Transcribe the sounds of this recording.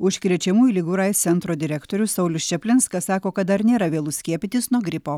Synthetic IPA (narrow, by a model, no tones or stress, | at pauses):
ʊʃʲkɾʲiɛt͡ʃʲɛmuːjuːlʲɪɡʊɾɐɪsʲɛnt̪ɾoːd̪ʲɪɾʲɛkt̪oːɾʲʊsɐʊlʲʊst͡ʃʲɛpʲlʲɪnskɐsɑːkoːkɐt̪d̪ɐɾnʲeːɾɐʋʲeːlˠʊsʲkʲiɛpʲɪt̪ʲɪsnuɔɡɾʲɪpoː